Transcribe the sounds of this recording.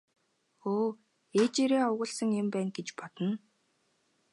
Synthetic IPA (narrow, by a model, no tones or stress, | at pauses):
oː | et͡ɕeːɾeːʊɣə̆ɮsə̆ŋempæːnɡet͡ɕpɔt̪ə̆n